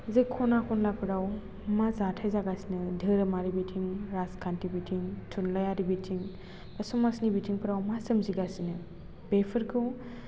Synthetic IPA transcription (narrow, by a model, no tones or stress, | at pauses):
zekʰɔnakʰɔnlapʰɯɾaw | mazatʰajzaɡasinɯdʱɯɾɯmaɾibitʰiŋɾaskʰantibitʰiŋtʰunlajaɾibitʰiŋ | pasɔmasnibitʰiŋpʰɯɾawmasɯmziɡasinɯ | b̥epʰɯɾkʰɯw